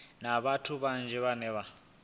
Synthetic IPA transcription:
naβatʰuβand͡ʒʱɛβanɛβa

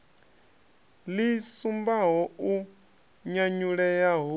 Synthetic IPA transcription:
lisumbaɦɔu | ɲaɲuɺɛjaɦu

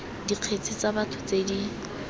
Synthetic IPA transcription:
diq͡χʰet͡sʰɪt͡sabatʰʊ̥t͡sedi

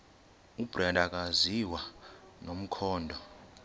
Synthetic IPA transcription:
ub̥randʱak̬ʼaziwa | nom̩kʰɔːndʱɔ

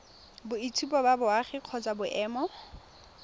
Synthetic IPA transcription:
bʊitʰupɔbabʊaχɪq͡χʰɔt͡sʼabʊʔɛːmɔ

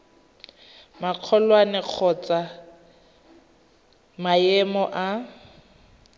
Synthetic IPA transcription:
maq͡χʰɔlwanɛq͡χʰɔt͡sa | maɛmɔʔa

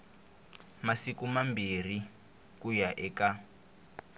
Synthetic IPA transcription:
masikumambir̤i | kujaʔɛka

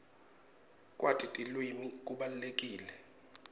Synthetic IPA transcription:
kʼwatʰʼitʼilwimik̬ʼuɓalulekʼiːlɛ

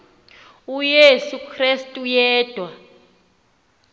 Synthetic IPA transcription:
ujesukʰrestʼujɛːd̥ʱwa

